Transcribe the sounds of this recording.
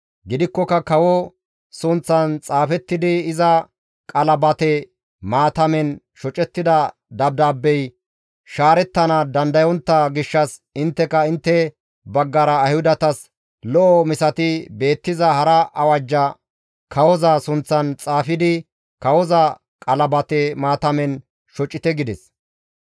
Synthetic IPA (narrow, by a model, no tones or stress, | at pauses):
ɡɪd̪ɪkːɔkɐkɐwɔ | sʊnt͡sːɐnt͡sʼaːfɛt̪ːɪd̪ɪɪzɐ | kʼɐlɐbɐt̪ɛ | maːt̪ɐmɛn | ʃɔt͡ʃʼɛt̪ːɪd̪ɐ | d̪ɐb̚d̪aːbːɛj | ʃaːɾɛt̪ːɐnɐd̪ɐnd̪ɐjɔnt̪ːɐɡɪʃːɐsɪnt̪ːɛkɐɪnt̪ːɛ | bɐɡːɐɾɐːjhʊd̪ɐt̪ɐs | lɔʔɔmɪsɐt̪ɪbe̞ːt̪ːɪzɐhɐɾɐʔɐwɐd͡ʒːɐ | kʰɐwɔzɐsʊnt͡sːɐnt͡sʼaːfɪd̪ɪ | kɐwɔzɐ | kʼɐlɐbɐt̪ɛmaːt̪ɐmɛn | ʃɔt͡ʃʼːɪt̪ɛɡɪd̪ɛs